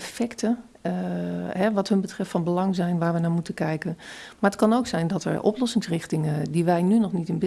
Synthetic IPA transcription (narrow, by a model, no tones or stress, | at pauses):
fɛktə | ɦɛʋɑtɦɵnbətrɛftfɑnbəlɑŋzɛjnʋaːɹʋənaːɹmutəkɛjkənmaːɹətkɑnowksɛjndɔtɛ̰ɹʔɔ̰plɔsɪŋsrɪχtɪŋədiʋɛjnynɔχnitɪnbɪ